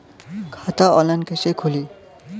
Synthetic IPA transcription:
kʰat̪aɔlankesekʰuli

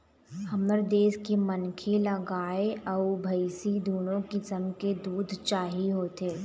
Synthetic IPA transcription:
ɐməɾd̪eːskemənkʰelɐɡaːeɐubʱɐɪsid̪ʱuːnõkisəmked̪uːd̪ʱt͡ʃaːɦiɦoːt̪eː

